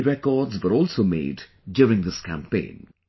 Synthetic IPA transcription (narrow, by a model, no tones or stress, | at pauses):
ɾɛkɔːdzʋəɾɔːlsoːmḛːdː | juːɾɪ̃ŋd̪ɪskæ̃mpḛ̃ɪ̃n